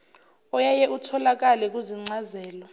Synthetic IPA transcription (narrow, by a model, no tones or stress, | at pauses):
ɔjajɛʔutʰɔlak̬alɛk̬ʼuziŋ͡ǀazɛːlɔ